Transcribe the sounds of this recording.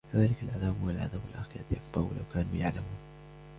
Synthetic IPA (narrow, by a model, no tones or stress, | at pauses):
kaðaːlɪkalʔaðaːbhʊwalʕa̰ðaːbwɪlʔaxɪja̰ːt̪jak̚bɑɾˤwɪ̰la̰wkaːnṵjaʕlamuːn